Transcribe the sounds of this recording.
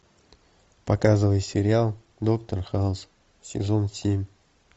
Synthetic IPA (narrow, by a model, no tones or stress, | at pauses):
pɐkazɨvəjsʲɪɾʲɪalˠ | d̪okt̪ərxalˠs | sʲɪ̰zonsʲemʲ